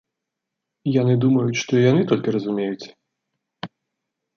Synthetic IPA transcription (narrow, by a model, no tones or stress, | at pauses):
janɨd̪umɐjut͡sʲʂt̪ɔijanɨt̪ɔlʲkʲirɐzumʲejut͡sʲ